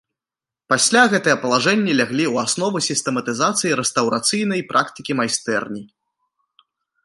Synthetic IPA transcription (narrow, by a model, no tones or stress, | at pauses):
pasʲlʲaɣɛt̪ɨjɐpɐlˠaʐɛnʲːɛlʲaɣlʲiwasnɔvusʲist̪ɛmɐt̪ɨzat̪sɨjiɾɛst̪ɐwɾʔat̪sɨjn̪ɐjpɾʔakt̪ɨkʲimajst̪ɛrnʲi